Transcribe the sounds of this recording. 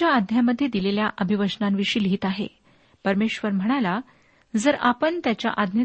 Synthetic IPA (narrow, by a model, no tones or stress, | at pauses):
aːd̪ʱjaməd̪ʱːjed̪ileljaʔəbʱiʋəd͡ʑnamʋiʂiːlɦiːt̪aɦḛ | pəɾmeɕʋəɾm̤əɽ̃ala | d͡zəɾapəɳt̪jat͡ɕja̰ʔad̪ʱnjə